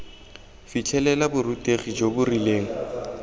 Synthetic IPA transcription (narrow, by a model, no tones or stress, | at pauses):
fit͡ɬʰɛlɛlabʊrutʼeχid͡ʒobʊrileːŋ̩